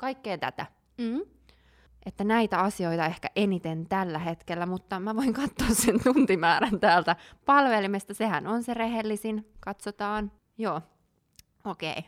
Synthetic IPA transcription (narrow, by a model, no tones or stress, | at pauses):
kɑikːeːt̪æ̰t̪æ̰ | m̩ | ʔet̪ːænæit̪æɑsio̞it̪ɑehkæʔenit̪ent̪ælːæhet̪kelːæmut̪ːɑmæʋoiŋkɑt̪ːoːsːent̪unt̪imæːɾænt̪æːlt̪æpɑlʋelimest̪ɑsehænonsereɦelːisinkɑt̪sot̪ɑːn | joː | okḛi